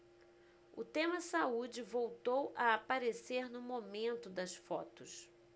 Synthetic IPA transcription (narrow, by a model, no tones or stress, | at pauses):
ʊ̰t̪ẽmɐsaud͡ʒɪvowt̪owʔɐapaɾeseɾnʊmomẽnt̪ʊd̪ɐsfɔt̪ʊs